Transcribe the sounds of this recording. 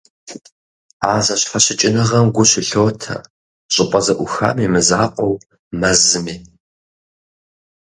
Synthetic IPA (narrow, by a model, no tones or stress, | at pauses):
aːzɐɕħɐɕɪt͡ʃʼɪnɐʁɐmɡʷʊɕɪɬoːtʰɐ̰ | ɕʼɪqʷʼɐzɐʔʷʊxa̰ːmiːmɨza̰ːqʷʼɔw | mɐzɨmiː